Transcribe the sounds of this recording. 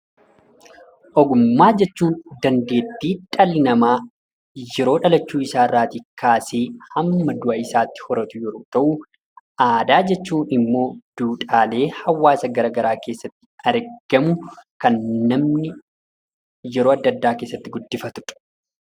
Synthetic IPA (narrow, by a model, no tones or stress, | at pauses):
ʔɔɡʊmːaːd͡ʒɛt͡ʃːuːnd̪ɐnd̪e̞ːt̪ːiːᶑʼɐlɪnɐmaː | jɛɾo̞ːᶑɐlɐt͡ʃːuːɪsaːrːaːt̪ikaːseːhɐmːɐd̪ʊʔɐɪsaːt̪ːɪ̥hɔɾɐt̪ʊjɛɾoːt̪ɐʔʊ | ʔaːd̪aːd͡ʒɛt͡ʃːuːnɪmːo̞ːd̪̥uːᶑʼaːle̞ːhɐwːaːsɐɡɐɾɐɡɐɾaːke̞ːsːɐt̪ːɪ̥ɐɾɡ̥ɐmʊkɐnːɐmnɪ | jɛɾoːɐd̪ːɐd̪ːaːke̞ːsːɐt̪ːɪɡʊd̪ːɪfɐt̪ʊ̥ᶑ̥